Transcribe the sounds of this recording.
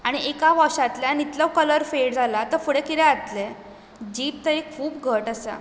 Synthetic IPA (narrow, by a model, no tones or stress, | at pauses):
aɽ̃iʔekaʋəɕat̪ljanit̪ləkələɾfeʈd͡zʱalat̪əɾfuɽekit̪ɛat̪le | d͡ʑiːp̚t̪əɾikʰuːpɡʱəʈasa̰